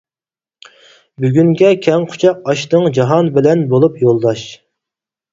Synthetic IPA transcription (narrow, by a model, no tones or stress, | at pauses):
byɡʲyŋɡʲɛkʲʰɛŋqʰʊ̥t͡ʃʰɑqɑʃt̪ɨŋd͡ʒɑɦɑnbɪlɛnbolˠupjolˠd̪ɑʃ